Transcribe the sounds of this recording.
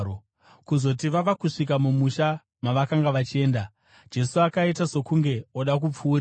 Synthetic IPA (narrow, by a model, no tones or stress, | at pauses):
o | kuzo̞tiʋaʋakuʂik̬amumuʃa | maʋakaŋɡaʋat͡ʃie̞ːnda | d͡ʒe̞suakaitaso̞kuŋɡe̞o̞ɗak̬up͡fuːɾ